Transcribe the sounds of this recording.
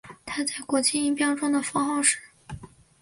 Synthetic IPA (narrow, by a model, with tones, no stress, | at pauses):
t̪ʰa˥t͡sa˥˩ɪkwɔ˧˥t͡ɕi˥˧i˥˩pjɑ˥ʊʈ͡ʂʊ˥ŋd̪ə˨fɑ˥ŋxɑ˥˧ʊʂɻ̩˥˩˦